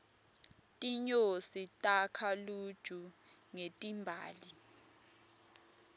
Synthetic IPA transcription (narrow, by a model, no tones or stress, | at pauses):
tʼiɲositʼakʰalud̥ʒ̥ʱuŋetʼimbʱa̰ːli